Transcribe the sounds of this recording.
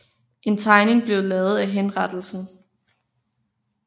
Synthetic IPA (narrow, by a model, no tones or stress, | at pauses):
ʔe̝nt͡sʰɑ̈ɪne̝ŋb̥le̝ʊlɛːð̩ˠæɦenʁɑd̥l̩sn̩